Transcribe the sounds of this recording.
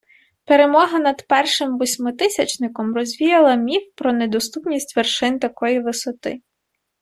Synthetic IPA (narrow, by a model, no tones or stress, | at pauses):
peɾemɔɦɐnɐd̪pɛrʃɪmʋɔsʲmɔt̪ɪsʲɐt͡ʃnɪkɔmrɔzʲʋʲijɐlˠɐmʲiwpɾɔned̪ɔst̪upnʲisʲtʲʋerʃɪnt̪ɐkɔjiʋɪsɔt̪ɪ̰